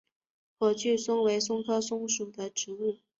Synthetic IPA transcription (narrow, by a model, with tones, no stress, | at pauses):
pʰwɔ˨˩t͡ɕʰy˥˩sʊ˥ŋwe˧˥ɪsʊ˥ŋkʰɤ˥sʊ˥ŋʂu˨˩d̪ə˦ʈ͡ʂɻ̩˧˥u˥˩